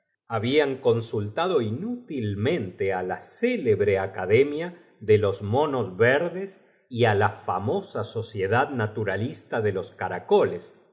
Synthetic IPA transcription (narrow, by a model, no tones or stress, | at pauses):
aβiaŋko̞nsult̪aðo̞inut̪ilmẽnt̪ealaseleβɾeakaðemja | ðelo̞zmo̞nozβeɾðes | ialafa̰mo̞saso̞sjeðaðnat̪uɾalist̪aðe̞lo̞skaɾakoles